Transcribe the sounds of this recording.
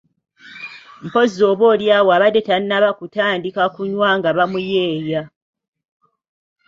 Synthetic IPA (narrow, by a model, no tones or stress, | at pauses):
m̩po̞zo̞ːβwo̞ːljaːwoaβadetannaβakutaːndikakuɲwaŋɡaβamuje̞ːja